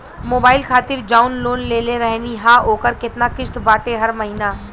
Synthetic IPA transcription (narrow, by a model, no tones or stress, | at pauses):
moːbaːɪlkʰaːt̪ɪɾd͡ʒaːʊnloːnleːleɾɛɦniɦãːoːkəɾkɪt̪nakɪʃt̪baːʈeɦɐɾmɐɦiːnaː